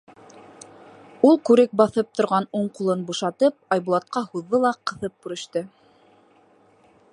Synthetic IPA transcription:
ulˠkʉɾɘk̚bɑθɤp̚t̪ŏɾʁɑnuɴqulˠɤnbuʃɑt̪ɤp̚ɑjβbulˠɑt̪̚qɑhuðːolˠɑqɤ̆θɤp̚kuɾɘ̆ʃt̪ɤ

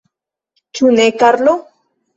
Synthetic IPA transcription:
t͡ʃunekaɾlo

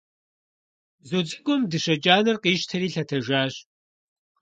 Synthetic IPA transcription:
zud͡zʼɨkʷʼʊmdɨʃɐt͡ʃʼaːnɨrqiːʃtʰɐɾiːɬɐtʰɐʒaːɕ

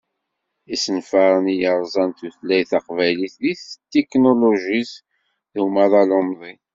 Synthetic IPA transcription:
isənfaɾˤənijəɾˤzˤɑnt̪uθlæjθɑqvæjliθliθt̪ːeknoloʒis | ðumaðˤɑlomðˤi

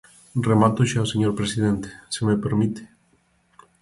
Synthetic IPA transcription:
remat̪oʃaoseɲoɾpɾesiðent̪e̥semepeɾmit̪e̥

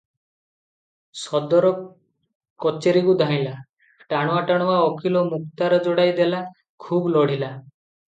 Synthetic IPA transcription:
sɔd̪ɔɾɔ | kɔt͡ʃeɾikud̪ʱaĩla | ʈaɽ̃ɔaʈaɽ̃ɔwaɔkʰilɔmuk̚t̪aɾɔd͡ʒɔɽajd̪ela | kʰublɔɽ̤ila

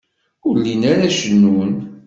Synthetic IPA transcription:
ʊɾlinaɾæʃənːun

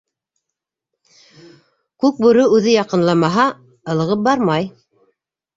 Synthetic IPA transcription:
kʉk̚buɾɵʉðɘjɑqɤ̆nlˠɑmɑɦɑ | ɤ̆lˠɤ̆ʁɤp̚bɑɾmɑj

